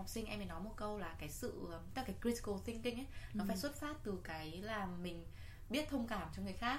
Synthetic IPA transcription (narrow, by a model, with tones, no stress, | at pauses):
ɔ˨˩wk͡p̚sï˧ŋʔɛ˧mi˨˩nɔ˨˦mo˨˩t̚kə˧wlaː˨˩kaː˨˦jsɨ̰˧˨˩t̪ə˦˥˩kaː˨˦jkɾi˧ti̥˨ko˧˩t̪i˧ŋkï˧ŋ̟ʔə˨˦nɔ˨˦faː˧˩jswə˦˥t̚faː˦˥t̚t̪ɨ˨˩kaː˨˦jlaː˨˩mmï˨˩ŋ̟ | ɓi˦˥ət̚t̪ʰə˧wŋ͡mkaː˧˩mt͡ɕɔ˧wŋ͡mŋɨ˨˩əjxaː˦˥k̚